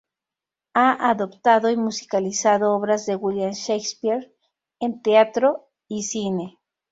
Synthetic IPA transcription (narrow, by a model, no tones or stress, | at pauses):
aʔaðopt̪aðoimusi̥kalisaðooβɾazðewwiljanʃekspiɾ | ent̪eat̪ɾo | isine